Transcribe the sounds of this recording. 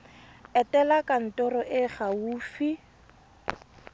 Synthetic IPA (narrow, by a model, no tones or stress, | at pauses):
ɛtɛlakʼan̩tɔɾɔʔɪχawuːfi